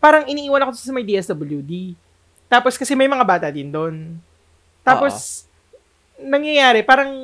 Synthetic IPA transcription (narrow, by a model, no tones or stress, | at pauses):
paːɾɐŋʔɪniːʔiːwɐnɐkosɐmɐjd̪iːʔɛsd̪ɐbɐljud̪i | t̪aːposkɐsɛmɐjmɐŋabaːt̪ɐd̪ɪnd̪on | t̪aːpos | nɐŋjɐjaːɾɛpaːɾɐŋ